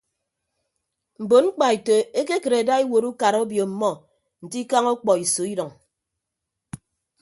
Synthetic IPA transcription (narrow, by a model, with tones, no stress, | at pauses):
m̩˨bo˨ŋ͡m̩˦k͡pa˨e˨to˨e˦ke˦ke˨ɾe˨da˦e˦wo˨ɾu˦ka˨ɾo˦bjo˨m̩˨mɔ˦ | n̩˨ti˦ka˦ŋo˦k͡pɔ˨i˨so˨˦i˦dɔ˨ŋ